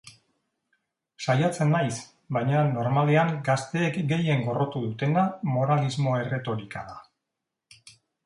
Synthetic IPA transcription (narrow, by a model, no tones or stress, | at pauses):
sajat͡se̞nːajs | bajɲano̞ɾmaleaŋɡast̪e̞ːkɡe̞je̞ŋɡo̞ro̞t̪uðut̪e̞namo̞ɾalizmo̞e̞re̞t̪o̞ɾika̰ða